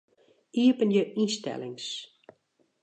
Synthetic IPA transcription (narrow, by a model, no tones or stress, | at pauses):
iəpənjəʔistɛ̰lɪŋs